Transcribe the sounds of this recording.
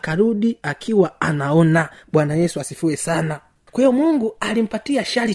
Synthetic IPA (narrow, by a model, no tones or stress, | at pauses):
kaɾuɗiakʰiwaanaɔnaɓwanajɛsuasifuɛsana | kwahijɔmuŋɡualim̩patiaʃali